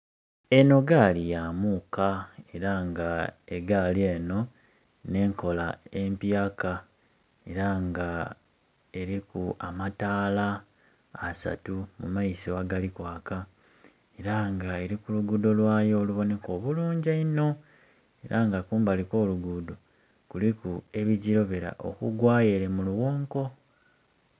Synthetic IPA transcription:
e̞no̞ɡalijamukae̞ɾaŋɡaeɡalie̞no̞ | ne̞ːŋko̞laempjaːka | e̞ɾaŋɡa | e̞ɾikua̰mataːlaː | sa̰tumṵmaisoaɡalikwaːka | e̞ɾaŋɡae̞ɾikuluɡudo̞lwaːjo̞ːluβo̞ne̞ko̞ːβuluːɲɟaino̞ | e̞ɾʔaŋɡakuːmbaliko̞ːluɡudo | kulikue̞βiɟiɾo̞βeɾa̰ʔo̰kuɡwaːje̞ɾe̞muluɣoːŋko̞

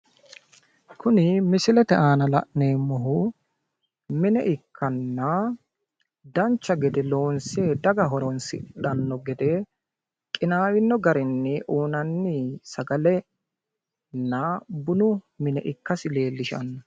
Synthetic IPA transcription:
kʊnɪmɪsɪlɛt̪ɛʔaːnɐlɐ̰ʔneːmːɔɦʊ | mɪnɛ̰ʔɪkːɐnːɐ | d̪ɐnt͡ʃːɐɡɛd̪ɛlo̞ːnseːd̪ɐɡɐɦɔɾɔnsɪ̰ɗɐnːɔɡɛd̪ɛ | kʼɪnaːwɪnːɔɡɐɾɪnːɪʔuːnɐnːɪsɐɡɐlɛ | nːɐbʊnʊ | mɪnɛ̰ʔɪkːɐsɪle̞ːlːɪʃɐ̰nːɐ

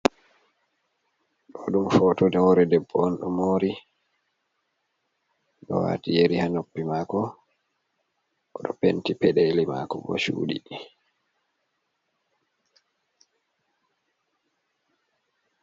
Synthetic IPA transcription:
ɗɔɗumfɔtɔdɛɔɾɛdɛbːɔɔnɗɔmoːɾi | ɗɔ̰wa̰ːtijeɾihanopːimaːkɔ | ʔɔɗɔpentipɛɗelima̰kɔbɔ̰ʃṵːɗḭɗ

